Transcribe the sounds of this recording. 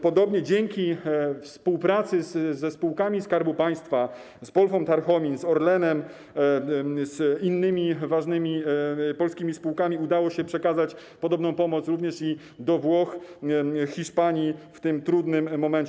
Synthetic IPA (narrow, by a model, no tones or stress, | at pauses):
pɔd̪ɔbɲɛd͡ʑɛŋkʲifspuwpɾat̪sɘzzɛspuwkamʲiskaɾbupaj̃st̪fa | sbɔlfɔ̃mt̪aɾxɔmʲinzɔɾlɛnɛm | zinːɘmʲivaʐnɘmʲipɔlskʲimʲispuwkamʲiud̪awɔɕɛpʂɛkazat͡ɕ | pɔd̪ɔbnɔ̃w̃pɔmɔt̪sɾuvɲɛʂi | d̪ɔvwɔx | xʲiʂpaɲift̪ɘmt̪ɾud̪nɘmːɔmɛnt͡ɕɛ